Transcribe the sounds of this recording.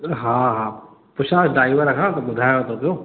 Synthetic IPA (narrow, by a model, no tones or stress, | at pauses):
ɦãɦã | pʊʃãːsɖaːiʋəɾɐkʰãːt̪obʊd̪ʱaːjot̪ot̪o